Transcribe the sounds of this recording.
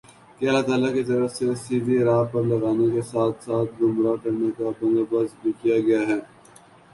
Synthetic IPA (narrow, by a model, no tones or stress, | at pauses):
keɐlat̪aːlakizɐɾəsesibiɾaːpɐɾlɐɣaːnekesaːt̪ʰsaːt̪̚ʰɡʊmɾakɐɾnekabɐ̃nɡ̪əbɐzbʱikijaɡɐjaɦɛː